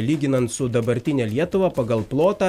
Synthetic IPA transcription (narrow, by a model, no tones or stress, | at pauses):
lʲiːɡʲɪnɐnt̪sʊd̪ɐbɐɾʲt̪ʲɪnʲɛːlʲiɛt̪ʊʋɑpɐɡɐlˠplˠoːt̪ɑ